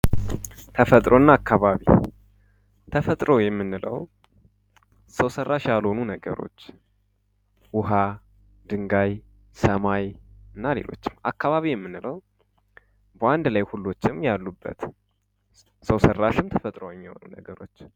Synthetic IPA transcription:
t̪ʰəfət̪ʼɾo̞ɨnːaːkʰːaβaβḭ | t̪ʰəfət̪ʼɾo̞jɛmːɨnːɨlə̰w | səwsərːaʃjalhonunəɡə̰ɾo̞̰t͡ʃː | wʊɦa | d̪ɨŋɡaj | səmajɨnːale̞̰lo̞̰t͡ʃːɪ̥mʔa̰kːaβaβijɛmːɨnːɨləw | bəʔand̪lajhulːo̞t͡ʃːɪmjalːubːə̰t̪ | səwsərːaʃɪmt̪ʰəfət̪ʼɾojɛmːiho̰nunə̰ɡəɾo̞t͡ʃː

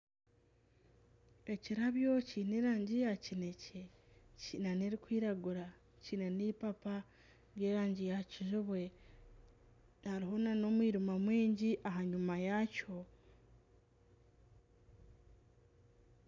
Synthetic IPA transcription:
e̞ciɾaβjo̞cineɾaːɲɟijacine̞cecinaneɾikwiːɾaɡuɾa | cine̞nipapa | ɾje̞ːɾaːɲɟijaciʒuβwe̞ | haɾiɦo̞nano̞mwiːɾumamwiːɲɟiʔaɦaɲumajaco̞

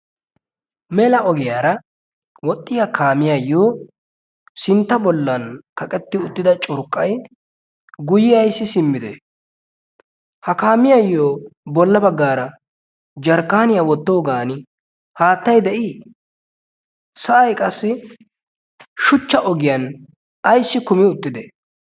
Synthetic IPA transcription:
mɛlɐʔɔɡɪjaːɾɐ | wɔt̪ʼːɪjakʰaːmɪjajːoː | sɪnt̪ːɐbɔlːɐnkɐkʼɛt̪ːɪʊt̪ːɪd̪ɐt͡ʃʼʊɾkʼːɐj | ɡʊjɪjɐjsːɪsɪmːɪd̪ḛ | hɐkaːmɪjɐjːoːbɔlːɐbɐɡːaːɾɐ | d͡ʒɐɾkːaːnɪjawɔt̪ːo̞ːɡaːnɪ | haːt̪ːɐjd̪ɛʔɪ | sɐʔɐjkʼɐsːɪ | ʃʊt͡ʃːɐʔɔɡɪjɐn | ɐjsːɪkʊmɪʊt̪ːɪd̪e

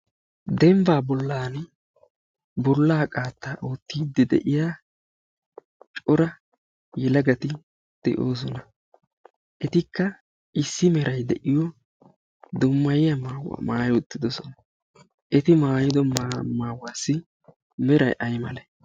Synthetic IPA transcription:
d̪ɛmbaːbɔlːaːn | bɔlːaːkʼaːt̪ːaːʔoːt̪ːiːd̪ːɛd̪ɛ̰ʔɪjaː | t͡ʃʼɔɾɐ | jɛlɐɡɐt̪ɪ | d̪̥ɛ̰ʔoːs̬ɔnɐ | ʔɛt̪ɪkːɐ | ʔɪsːɪmɛɾɐjd̪ɛʔɪjɔ | d̪ʊmːɐjɪjɐmaw̰maːjʊt̪ːɪd̪ɔsɔnɐ | ʔɛt̪ɪmaːjɪd̪ɔmmaːwaːsːɪ | mɛɾɐjʔɐjmɐ̰lɛ

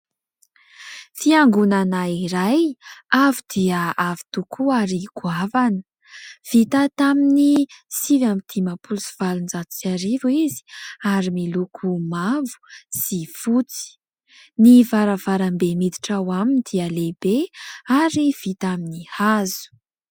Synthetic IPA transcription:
fiaŋɡunanaiɾajavud̪̥iəavi̥t̪ukʰuaɾiɡuavanə̥ | v̥it̪at̪aminisivamit̪ʰimapulsi̥v̥alund͡zat̪u̥t͡saɾivuizi̥aɾimilukʰumavu̥z̥ifut͡si̥ | nivaɾavaɾambemid̪iʈ͡ʂawamind̪̥iəlebeaɾiv̥it̪aminihazu̥

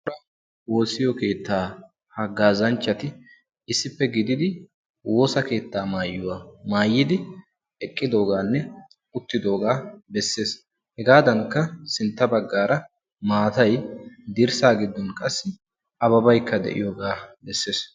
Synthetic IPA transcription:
ʊɾɐ | wo̞ːsːɪjɔke̞ːt̪ːaː | hɐɡːaːzɐnt͡ʃːɐt̪ɪ | ɪsːɪpːɛɡɪd̪ɪd̪ɪ | wo̞ːsɐke̞ːt̪ːaːmaːjːʊwamaːjːɪd̪ɪ | ɛkʼːɪd̪o̞ːɡaːnːɛ | ʊt̪ːɪd̪o̞ːɡaːbɛsːe̞ːs | hɛɡaːd̪ɐŋkːɐsɪnt̪ːɐbɐɡːaːɾɐ | maːt̪ɐjd̪ɪɾsaːɡɪd̪ːɔnkʼɐsːɪ | ʔɐβɐbɐjkːɐd̪ɛ̰ʔɪ̰joːɡaːbɛsːe̞ːs

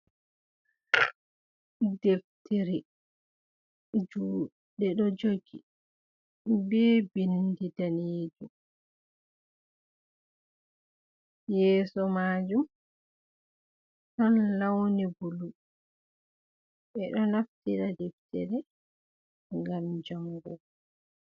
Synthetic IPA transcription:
dɛftʰɛɾɛ | d͡ʒu | ɗɛɗɔd͡ʒoɡi | bɛːbindidaneːd͡ʒum | jɛːsɔmaːd͡ʒum | ɗɔnlawnibulu | ɓɛɗɔnaftiɾadɛftɛ̰ɾɛ | ŋɡamd͡ʒaŋɡɔ̰

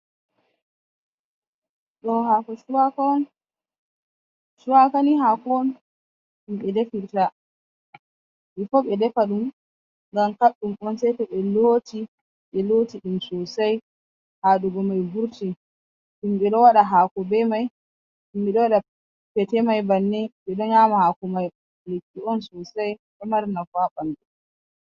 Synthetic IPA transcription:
ɗɔɦakɔsuwakɔn | suwakaniɦakɔn | ɗumɓɛdefiɾta | ʔifɔɓɛdɛfaɗum | ŋɡamkaɗːumɔnsɛtɛɓɛloːti | ɓɛlotiɗumsɔsaj | haɗuɡɔmajbuɾti | ɗumɓɛɗɔwaɗaɦaːkɔbɛmaj | ɗumɓɛɗɔwaɗa | pɛtɛmajbanːɛɓɛɗɔɲamahakɔmaj | lekːiɔnsɔsajɓɛmaɾnafwaɓandɛ

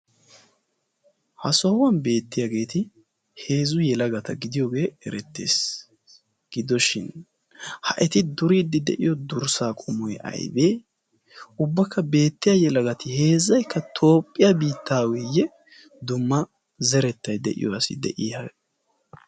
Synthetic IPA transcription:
hɐsɔwɐnbe̞ːt̪ːɪjaɡe̞ːt̪ɪ | he̞ːzʊjɛlɐɡɐt̪ɐɡɪd̪ɪjoːɡe̞ːɛɾɛt̪ːḛːs | ɡ̥ɪd̪ɔʃɪn | hɐ̰ʔɛt̪ɪd̪ʊɾiːd̪ːɪd̪ɛ̰ʔɪ̰jɔd̪ʊɾsaːkʼʊmɔjɐ̰jbe̞ː | ʊbːɐkʰːɐbe̞ːt̪ːɪjajɛlɐɡɐt̪ɪhe̞ːzːɐjkːɐt̪ʰo̞ːpʼːɪjabiːt̪ːaːwɪjɛ | d̪ʊmːɐ | zɛɾɛt̪ːɐjd̪ɛ̰ʔɪ̰jɔɐsɪ̰d̪ɛ̰ʔɪja

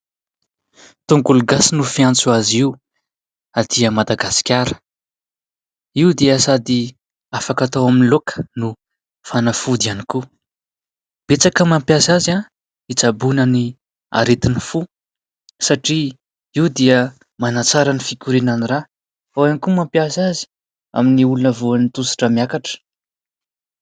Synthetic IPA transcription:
t̪uŋɡuluɡasinufiant͡suaziw | ad̪̥iəmad̪aɡasi̥kʲaɾə̥ | iud̪eəsad̪i | afakat̪owaminilokə̥nu | fanafud̪ianiku | b̥et͡sakəmampjasaza | it͡sabunəni | a̰ɾet̪inifu | saʈ͡ʂi | iwd̪eə | manat͡saɾənifikʲuɾinanira | awanikumampjasazi̥ | a̰miniulunəvuanit̪usi̥ʈ͡ʂəmjakaʈ͡ʂə̥

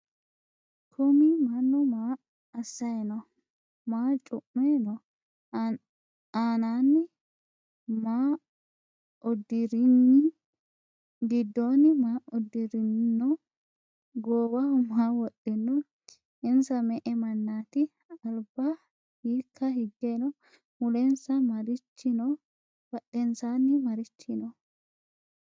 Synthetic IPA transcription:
kʰʊmimɐnːɔmaː | ɐsːɐjɛnɔ | maːt͡ʃʼʊʔːeːnɔ | aːnaːnːɪ | ma | d̪ɾn | ɡɪd̪ːoːnɪmaːʊd̪ːɪɾɪnnɔ | ɡoːwɐhʊmaːwɔɗːɪnːɔ | ɪnsɐmɛʔɛmɐnːaːt̪ɪ | ɐlbɐ | hiːkʰːɐhɪɡːenɔ | mʊlɛnsɐmɐɾɪt͡ʃːɪnɔ | b̥ɐɗːɛnsaːnːɪmɐɾɪt͡ʃːɪnɔ

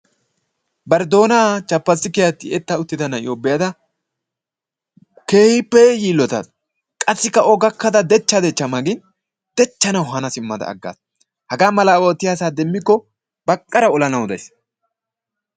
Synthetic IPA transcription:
bɐɾd̪o̞ːnat͡ʃɐpːɐsːɪkɛjɐt̪ːɪɛt̪ːɐʊt̪ːɪd̪ɐnɐjoːbɛjad̪ɐ | ke̞ːhɪpːɛjiːlːɔt̪ɐ̰d̪ | kʼɐsːɪkːɐʔɔɡɐkːɐd̪ɐd̪ɛt͡ʃːɐd̪ɛt͡ʃːɐmɐɡɪn | d̪̥ɛt͡ʃːɐnɐwɦɐnɐsɪmːɐd̪ɐ̰ːɡːa̰ːs | hɐɡaːmɐlɐwoːt̪ːɪjaːsaːd̪ɛmːɪkːɔ | b̥ɐkʼːɐɾɐɔlɐnɐwd̪ɐ̰js

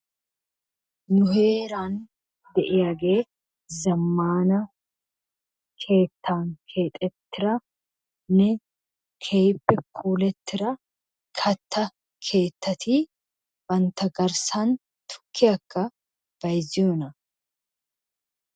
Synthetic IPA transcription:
nʊhe̞ːɾaːn | d̪ɛʔɪɐɡeː | zɐmːaːnɐ | kʰe̞ːt̪ːaːŋkʰe̞ːt̪ʼɛt̪ːɪɾɐ | nɛ | kʰe̞ːpːɛkʰuːlɛt̪ːɪɾɐ | kʰɐt̪ːɐ | kʰe̞ːt̪ːɐt̪ʰiː | bɐnt̪ɐɡɐɾsaːn | t̪ʊ̥kʰːɪɐkːɐ | b̥ɐjzɪʊnɐ

